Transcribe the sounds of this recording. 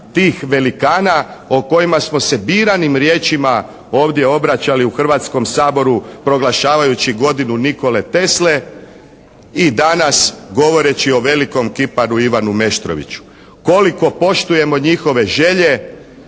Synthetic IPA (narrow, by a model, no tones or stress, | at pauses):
t̪iːxʋe̞likaːnaoko̞imasmo̞se̞biːɾanimɾje̞ːt͡ʃima | o̞ːʋd̪ʲje̞o̞bɾat͡ɕaliuxr̩ʋat̪sko̞msaːbo̞ɾupɾo̞ɡlˠaʃaːʋajut͡ɕiɡo̞d̪inuniko̞le̞t̪e̞sle̞ | id̪anasɡo̞ʋo̞ɾe̞t͡ɕio̞ʋe̞liko̞mkipaɾuiʋanume̞ʃt̪ɾo̞̰ʋḭt͡ɕu̥ | ko̞liko̞po̞ʃt̪uje̞mo̞ɲixo̞ʋe̞ʒe̞ʎe̞